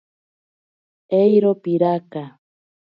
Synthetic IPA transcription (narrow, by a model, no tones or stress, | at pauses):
ejɾopiɾaka